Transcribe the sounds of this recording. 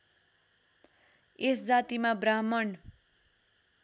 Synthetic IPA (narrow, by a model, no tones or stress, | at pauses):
esd͡zat̪imabramʌn